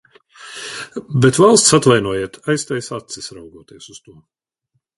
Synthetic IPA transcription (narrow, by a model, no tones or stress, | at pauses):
bɛt̪valˠst̪sat̪vajnuɔjeɛt̪ajst̪ɛjsat̪sisɾawɡuɔːt̪iɛsust̪uɔ